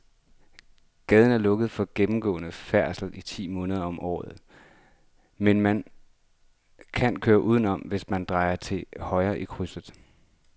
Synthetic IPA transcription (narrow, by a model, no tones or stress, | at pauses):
ɡ̥ɛːð̞ˠən̩æɐlɔ̽ɡ̥əð̞̩ˠfɒ̽ɡ̥emm̩ɡ̥ɔ̰̽ːnəfæɐ̰sl̩it͡sʰḭːmɔ̽ːnəð̞ˠɐɒ̽mʔɒ̰ːð̩ˠ | menmæn | kʰænkʰøːɐʔuːð̞ˠn̩ɒ̽mʋe̝smænd̥ʁɑ̈ɪɐt͡sʰe̝hɒ̽ɪɐːʔikʰʁysð̩ˠ